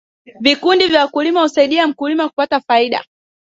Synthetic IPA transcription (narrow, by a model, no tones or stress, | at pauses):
vikundivjawakulimahusaiɗiam̩kulimakupatafaiɗa̰